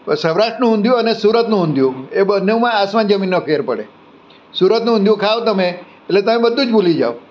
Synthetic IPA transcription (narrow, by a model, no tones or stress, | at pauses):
səʋɾaʃʈɾənũʊ̃nd̪jũənesuɾət̪nũʊnd̪ʱjũebənːemãasmãnd͡ʒəminːəpʰeɾpəɽe | suɾət̪nũʊnd̪jũkʰaʋt̪əme | eʈlet̪əmẽbəd̪ʱːũd͡ʒbulid͡ʒa̰o